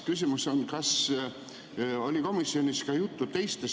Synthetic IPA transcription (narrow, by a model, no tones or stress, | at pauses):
kys̬ʲimuso̞nkɑs | o̞lʲiko̞misːio̞nʲiskɑjut̪ːut̪e̞jst̪es